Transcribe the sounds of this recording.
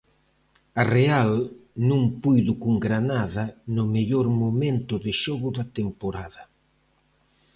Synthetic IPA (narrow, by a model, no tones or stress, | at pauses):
arealnũŋpujðʊkuŋɡɾanaðɐnʊmeʎoɾmoment̪ʊðɪʃɔɣʊðat̪empoɾaðɐ